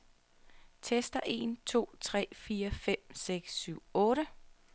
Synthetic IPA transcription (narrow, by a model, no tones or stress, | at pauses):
t͡sʰesd̥ɐʔe̝̰nt͡sʰo̝̰ːt͡sʰʁɛ̰ːfiːɐfem̰seɡ̥syʊ̰ɔ̽ːɾə